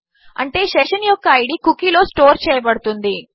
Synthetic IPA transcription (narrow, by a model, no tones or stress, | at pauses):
ɐ̰ɳʈe̞ːʃeʂɐnjɔkːɐɐjɽikukːilo̞ːsʈo̞ːɾt͡ʃɛːjɐbɐɽut̪und̪i